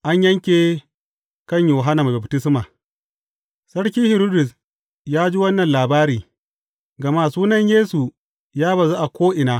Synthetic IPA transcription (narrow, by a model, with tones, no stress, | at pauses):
ʔa˦ɲjɐ˦ŋkʲeː˨ | kɐ˦˨ɲjoː˨ɦa˦na˨ma˨ba˨btɪ˦sma˨ | sɐ˦ɽk̬ʲiː˦hɪ˨ɾuː˦dʊ˨s | jaː˦d͡ʒi˦wɐ˦nːɐ˨nlaː˨baː˦ɾiː˨ | ɡɐ˨ma˦˨suː˦nɐ˦ɲjeː˦su˨ | jaː˦ba˨za˦ʔa˨kʷoː˦ʔɪ˨naː˦